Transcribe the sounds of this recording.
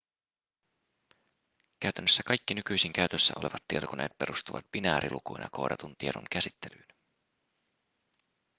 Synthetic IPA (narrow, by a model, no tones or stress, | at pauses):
kæyɥt̪ænːəsːækɑjkːinykyjsiŋk̟æyt̪əsːæ̰ʔo̞le̞ʋɑt̪ːiet̪okuneːt̪̚pe̞ɾust̪uʋɑ̰t̪̚b̥inæːɾʔḭlʔukujnɑ̰ko̞̰ːɾɑt̪unt̪ieɾo̞̰ŋk̟æsit̪ːelyːn